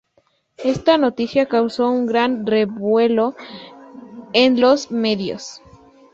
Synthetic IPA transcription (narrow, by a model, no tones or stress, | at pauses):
est̪anot̪isjakawsouŋɡɾanreβwelo | enlosmeðjo̰s